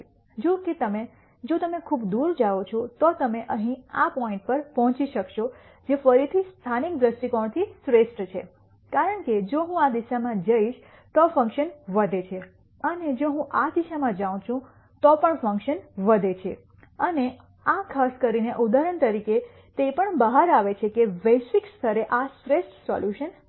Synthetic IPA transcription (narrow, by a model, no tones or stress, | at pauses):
d͡ʒuket̪əme | d͡ʒot̪əmekʰubd̪uɾd͡ʒaʋot͡ʃʰɔt̪ɔt̪əmeʔə̃ɦĩapɔĩɳʈ̚pəɾpɔɦɔ̃t͡ʃiʃəkʃɔ | d͡ʒefəɾit̪ʰist̪ʰanik̚d̪ɾəsʈ̪ikɔɳ̃t̪ʰisɾesʈt͡ʃʰe | kaɾəɳked͡ʒoɦũad̪iʃamãd͡ʒəiʃ | t̪ɔfə̃ŋkʃənʋəd̪ʱet͡ʃʰe | əned͡ʒoɦũʔad̪iʃamãd͡ʒaw̃t͡ʃʰũ | t̪ɔpəɳfə̃ŋkʃənʋəd̪ʱet͡ʃʰḛ | əne | akʰaskəɾineʔud̪aɾəɳt̪əɾike | t̪epəɳbəɦaɾaʋet͡ʃʰekebəʃikst̪ʰəɾeʔasɾesʈsɔ̰ljuʃən